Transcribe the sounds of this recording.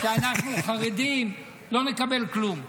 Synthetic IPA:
ʃeanaχnuχaʁed̪im | lo̞nekabe̞lklum

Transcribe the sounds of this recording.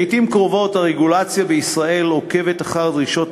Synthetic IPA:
jtimkʁo̞vo̞taʁeɡulat͡sjabeisʁae̞lʁo̞ke̞vet̪aχaʁd̪ʁiʃo̞t

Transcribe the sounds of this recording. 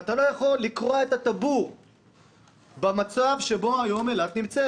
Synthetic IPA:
at̪alo̞jaχo̞lːikʁoaet̪at̪abuʁ | bemat͡savʃe̞bo̞ajo̞melatnimt͡se

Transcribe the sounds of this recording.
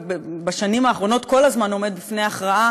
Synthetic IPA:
bbaʃanimaːχʁo̞no̞t̪ko̞lazmano̞me̞d̪̚bifne̞jaχʁaa

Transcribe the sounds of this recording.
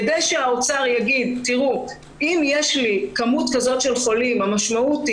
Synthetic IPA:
dejʃeaot͡saʁjaɡid̪tiʁu | imjeʃlikamutkazo̞tʃe̞lχo̞limamaʃmauti

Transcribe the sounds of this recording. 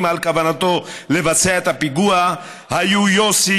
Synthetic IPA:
malkavanat̪o̞levat͡seaet̪apiɡua | hajujosi

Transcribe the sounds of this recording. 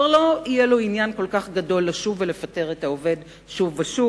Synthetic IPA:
ʁloijeloinjanko̞lkaχɡado̞lːaʃuvele̞fate̞ʁetaove̞d | ʃuvaʃu

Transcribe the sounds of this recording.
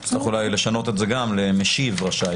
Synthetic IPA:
sʁiχulajle̞ʃano̞t̪etzeɡamle̞meʃivʁaʃa

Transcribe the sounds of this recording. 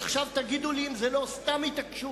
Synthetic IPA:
aχʃavt̪aɡid̪uliimzelo̞st̪amit̪akʃu

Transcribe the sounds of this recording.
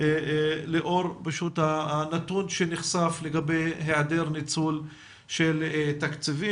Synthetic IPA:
leʔo̞ʁpaʃut̪hanat̪unʃeniχsafleɡabejɦead̪eʁnit͡sul | ʃelt̪akt͡sivi

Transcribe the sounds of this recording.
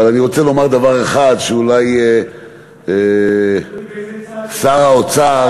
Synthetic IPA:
alaniʁo̞t͡selo̞maʁd̪avaʁe̞χad̪ʃeulaje | e | saʁaot͡sa

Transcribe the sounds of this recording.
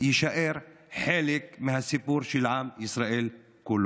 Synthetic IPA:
jɪʃaʔiɾ | ħaːlɪkmɪnhasːɪpuːɾʃilʕaːmʔɪsɾaʔiːl | kʊlː

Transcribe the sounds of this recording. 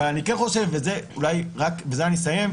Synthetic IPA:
lanikenχo̞ʃefbezeulajʁakbezeanis̬aje̞m

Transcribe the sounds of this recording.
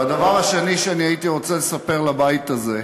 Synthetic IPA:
ad̪avaʁaʃeniʃeaniait̪iʁo̞t͡selesapeʁlabait̪aze̞

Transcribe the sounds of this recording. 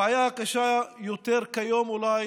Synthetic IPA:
ajaːkɐʃajut̪eɾkɐjomulaː

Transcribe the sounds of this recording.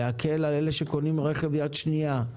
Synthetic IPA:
akʰelalele̞ʃeko̞nimʁe̞χe̞vjad̪ʃnija

